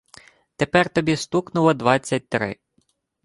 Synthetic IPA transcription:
t̪epɛrt̪ɔbʲist̪uknʊlˠɔd̪ʋɑt͡sʲːɐt̚ʲt̪ɾɪ̰

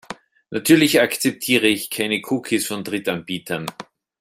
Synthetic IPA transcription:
nʔatʰyːɐlɪçakt͡sɛp̚tʰiːʁəɪçkʰaɪnəkʰuːkʰisfɔndʁɪtanb̥iːtʰɐn

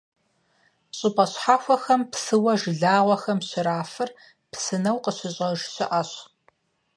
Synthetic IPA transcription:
ɕʼɪpʼɐɕħaːxʷɔxɐmpsɨwɐʒɮaːʁʷɔxɐmɕɪɾaːfɨr | psɨnɐwqəɕɪɕʼɐʒɕɪʔɐɕ

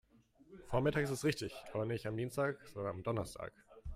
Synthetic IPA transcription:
foːɐmɪtaːkɪstɛsʁɪçtɪçʔaːbɐnɪçtamdiːnstaːkz̥ɔndɐnamdɔnɐstʰa̰ːk

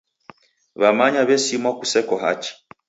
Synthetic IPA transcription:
βamaɲaβɛsimɔkusɛkɔɦa̰t͡ʃi̥

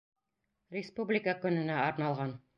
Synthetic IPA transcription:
rʲɪspublʲɪkəkɵ̆nɘ̆næɑɾnɑlˠʁɑn

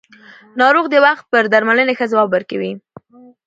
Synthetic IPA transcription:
nɑɾoɣd̪əwaxt̪̚pəɾd̪aɾmalənexəzawɑbəɾkawi

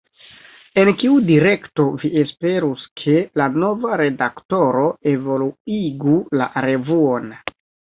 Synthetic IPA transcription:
e̞nkiudiɾe̞kto̞viʔespe̞ɾuskʰe̞lano̞vaɾe̞dakto̞ɾo̞e̞vo̞luiɡula̰ɾe̞vuon

